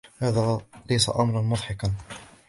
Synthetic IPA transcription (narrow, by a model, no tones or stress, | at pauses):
haːðaːlajsa̰ʔɑmɾˤɑnmʊðˤħɑkan